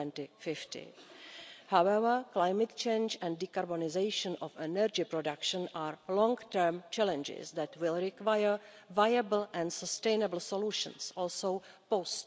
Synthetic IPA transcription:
ɛ̃ntɪfɪftɪ̰ | hawɛvə˞klajmɛt̪̚t͡ʃẽjnd͡ʒɛ̃ndikaɾbonɪzejʃə̃nɔfɛnəɾd͡ʒɪpɾodakʃə̃nʔaːɹlɔ̃ŋɡtəɹmt͡ʃɛlɛ̃nd͡ʒɪ̰zd̪ɛtwɪlˠɾɪkwajəɹ | vajabl̩ʔɛ̃nsəstẽjnəbl̩soluʃə̰̃nsɔːlsow | post

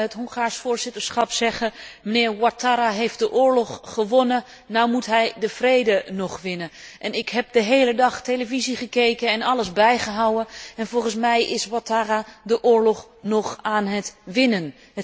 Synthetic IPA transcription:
ɦətɦoŋχaːɹsfʊːɹzɪtəɹsχɑpsɛχəmənɪːɹwataːɾaɦejft̚dəʔʊːɹlɔχːəʋɔnə | nawmutɦɛjdəv̥rejdənɔχʋɪnəʔɛnɪkɦɛp̚dəɦejlədɑχtejləviziχəkejkənɛnɑləzbɛjχəɦawəɛnvɔlˠχəns̬mɛjʔɪswataːɾadəʔʊːɹlɔχ | nɔχaːnɦətʋɪnən

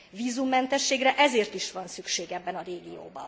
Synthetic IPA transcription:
viːzumːɛnt̪ɛʃːeːɡrɛʔɛzeːrt̪iʃʋɒnsykʃeːɡɛbːɛnɒɾeːɡijo̰ːbɒ̰

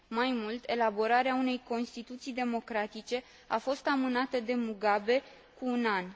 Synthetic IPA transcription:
majmult̪ʰe̞labo̞ɾaɾeaune̞jko̞nst̪it̪ut̪sijd̪e̞mo̞kɾat̪it͡ʃe̞ | afo̞st̪amɨnat̪əd̪e̞muɡabe̞ | kuːnan

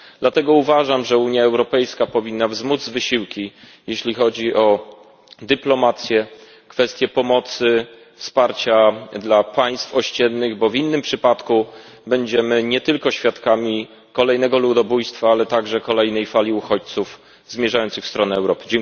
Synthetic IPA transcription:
d̪̥lat̪ɛɡɔuvaʐamʐɛuɲjaɛwɾɔpɛjskapɔvʲinːavzmud̪zvɘɕiwkʲi | jeɕlʲixɔd͡ʑiʔɔ | d̪ɘplɔmat̪sʲjɛ | kfɛst̪ʲjɛpɔmɔt̪sɘ | fspaɾt͡ɕad̪lapaj̃st̪fɔɕt͡ɕɛnːɘɣbɔvinːɘmpʂɘpat̪ku | bɛɲd͡ʑɛmɘɲɛt̪ɘlkɔɕfʲjat̪kamʲi | kɔlɛjnɛɡɔlud̪ɔbujst̪faalɛt̪aɡʐɛkɔlɛjnɛjfalʲiuxɔt͡ɕt̪suf | zmʲjɛʐajɔnt̪sɘxfst̪ɾɔnɛɛwɾɔpɘ̥d͡ʑɛŋ

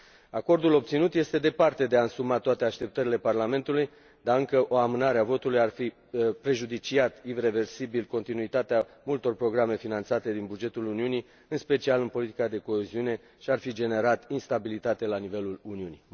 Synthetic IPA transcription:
ako̞rd̪ulo̞b̚t̪sinut̪je̞st̪e̞d̪e̞part̪e̞d̪eaɨnsumat̪oat̪e̞aʃt̪e̞p̚t̪əɾile̞parlame̞nt̪uluj | d̪aɨŋkəʔo̞amɨnaɾeavo̞t̪ulujarfi | pɾe̞ʒud̪it͡ʃiat̪iɾe̞ve̞rsibilko̞nt̪inuit̪at̪eamult̪o̞rpɾo̞ɡɾame̞finant̪sat̪e̞d̪inbud͡ʒe̞t̪uluniuni | ɨnspe̞t͡ʃialɨnpo̞lit̪i̥kad̪e̞ko̞eziune̞ | ʃiarfid͡ʒe̞ne̞ɾat̪inst̪abilit̪at̪e̞lanive̞luluniuni

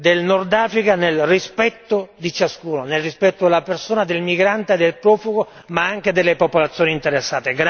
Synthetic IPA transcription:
d̪elnɔrd̪aːfɾikanelrispɛt̪ːod̪it͡ʃaskuːnonelrispɛt̪ːod̪elːapersoːnad̪elmiɡɾant̪ed̪ːelpɾɔːfuɡo | maaŋk̟ed̪elːepopolat̪sːjoːnint̪eɾesːaːt̪eɡɾ

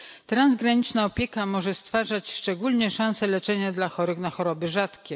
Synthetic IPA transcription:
t̪ɾanzɡɾaɲit͡ʂnaɔpʲjɛkamɔʐɛst̪faʐat͡ɕʂt͡ʂɛɡulɲɛʂãñsɛlɛt͡ʂɛɲad̪laxɔɾɘɣnaxɔɾɔbɘʐat̪kʲɛ

